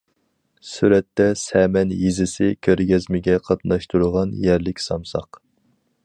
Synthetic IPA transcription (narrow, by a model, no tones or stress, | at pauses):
syɾɛt̪ːɛsɛmɛnjizɪsɪkʲʰøɾɡʲɛzmɪɡʲɛqʰɑt̪nɑʃt̪ʰuɾʊʁɑnjɛɾlɪkʲsɑmsɑq